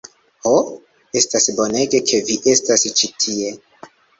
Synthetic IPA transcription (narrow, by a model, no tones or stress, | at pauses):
ho | e̞stasbo̞ne̞ɡe̞kʰe̞viʔe̞stast͡ʃitʰie̞